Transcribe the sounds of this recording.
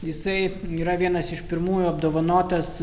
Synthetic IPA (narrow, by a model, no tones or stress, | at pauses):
jɪsɐɪ | iːɾɐʋʲiɛnɐsɪʃpʲɪɾmuːjuɐb̚d̪oːʋɐnoːt̪ɐs